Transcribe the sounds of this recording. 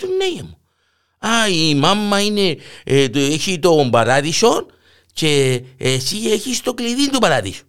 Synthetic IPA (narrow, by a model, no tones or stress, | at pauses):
t̪unːejamo | aimamːainet̪ueçit̪ombaɾaðiʃon | t͡ʃeesieçist̪okliðind̪ubaɾaðḭʃo̥